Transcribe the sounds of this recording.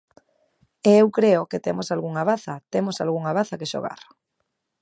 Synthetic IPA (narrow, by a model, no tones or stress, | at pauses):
eewkɾeokɪt̪emosalɣuŋaβaθɐt̪emosa̰lɣuŋaβaθakeʃo̰ɣa̰ɾ